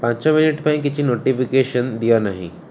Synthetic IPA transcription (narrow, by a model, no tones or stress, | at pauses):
pãɲt͡ɕaminiʈpaĩk̬it͡ɕiːnoʈifikeɕənd̪ijanaɦḭ